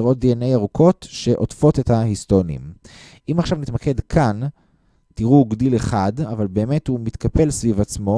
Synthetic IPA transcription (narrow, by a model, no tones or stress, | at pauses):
ʁo̞t̚d̪ienejaʁukʰo̞tʃe̞ʔotfo̞te̞thahistonḭm | ʔimaχʃavnit̪make̞dkʰan | tiʁuɡdile̞χadavalbe̞ːme̞thumit̪kape̞lsvivat͡smo̞